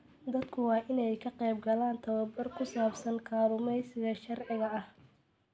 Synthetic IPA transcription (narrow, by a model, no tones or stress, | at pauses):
d̪ɐd̪kʰʊwɑːʔɪnɛjkʰɐqɛjbɡɐlaːnt̪ʰɐwɐbɐrkʰʊsaːbsɐŋkʰaːβʊmɛjsɪɣɐʃɐrʕɪɣɐɐh